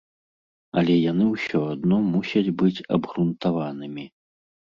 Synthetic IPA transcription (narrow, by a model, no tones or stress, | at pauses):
ɐlʲɛjanɨwsʲɔad̪nɔmusʲɐd͡zʲbɨt͡sʲɐ̰bɣɾunt̪avanɨmʲi